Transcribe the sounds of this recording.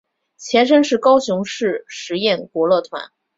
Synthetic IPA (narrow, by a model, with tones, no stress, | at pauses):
t͡ɕʰjɛ˧˥nʂ̬ə˥nʂɻ̩˥˩kɑ˥ʊɕjʊ˧˥ŋʂɻ̩˥˩ʂɻ̩˧˥jɛ˥˩nkwɔ˧˥lɤ˥˩t̪ʰwa̰˧˥n